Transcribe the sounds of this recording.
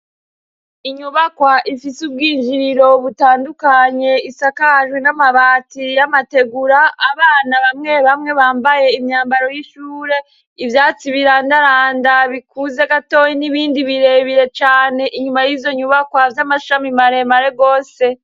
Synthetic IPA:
iɲuβakwaʔifisubɡiːnd͡ʒiɾiɾo̞βutaːndukaɲe̞isakaʒwenamaβatijamate̞ɡuɾaʔːβaːnaβamŋe̞βamŋe̞βaːmbaje̞imɲaːmbaɾo̞jiʃuːɾe̞ | ivjaːt͡siβiɾandaɾaːndaβikuze̞ɡato̞jiniβiːndiβiɾe̞ːβiɾe̞t͡ʃaːne̞ʔiɲumajivzo̞ɲuβakwavjamaʃamimaɾe̞maɾeɡo̞ːse̞

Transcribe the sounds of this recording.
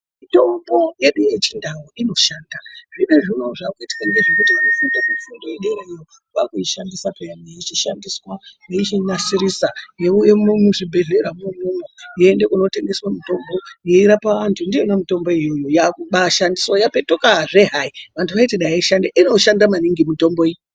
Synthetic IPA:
mito̞mbo̞je̞ɗuje̞t͡ʃindawoʔino̞ʃaːndaʐine̞ʐino̞ʐaːkuiti̥kaŋɡeʐekutianofundakufundoeɗeɾaijo | wakuiʃandisapejameit͡ʃiʃandiswaneit͡ʃinasiɾisajejemmuʐibʱe̞ɮe̞ɾamumumojiːndekuno̞te̞ŋɡe̞swamito̞mbo̞jeiɾapaʋantʰundienomito̞mbo̞ijojojakuɓaʃandiso̞jape̞tokaʐe̞ɦaiʋantʰuʋaiteɗajaiʃandeʔino̞ʃandamaniŋɡimito̞mbo̞ijo

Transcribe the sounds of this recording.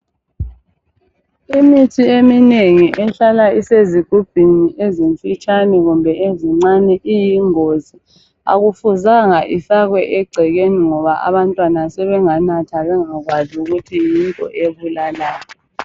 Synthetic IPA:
imitʰiemineŋiʔɛɬalaiseziɡ̥ʱub̥ʱiniʔeziɱfit͡ʃʼanɛɣumbʱɛʔeziŋ͡ǀanɛʔijiŋozi | a̰ɣufuzaŋaʔifaɣwɛʔɛɡ͡ǀʱɛɣeniŋɔβaʔa̰βantʼwanasɛβɛŋanatʰaβɛŋaɣwazuɣutʰijintʼɔ̰ʔeβulalaːjɔ

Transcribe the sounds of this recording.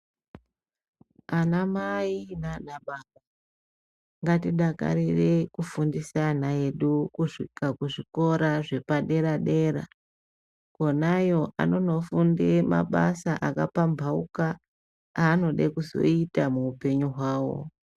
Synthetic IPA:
anamainanaɓaɓa | ŋɡatiɗaka̰ɾire̞kufundisanae̞ɗukuʂikakuʐiko̞ɾaʐe̞paɗe̞ɾaɗe̞ɾa | ko̞najo̞ʔa̰no̞no̞fundema̰ɓasaʔakapambʱaṵkaː | no̞ɗekuzo̞̰itamuːpe̞ɲuɦwaːwo̞̰

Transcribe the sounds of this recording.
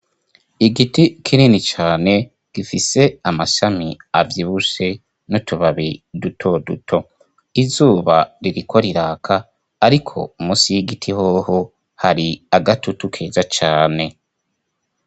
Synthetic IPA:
iɡitikʰininit͡ʃaːne̞ | ɡ̥ifise̞amaʃamiavjiβuʃe̞ | nutuβaβidutʰo̞dutʰo̞ | izuːβaɾiɾikʰo̞ɾiɾaːkʰaː | ɾikʰo̞̰umuːsijiɡitʰihoːho̞ | haɾiaɡatutukʰeːzat͡ʃaːne̞

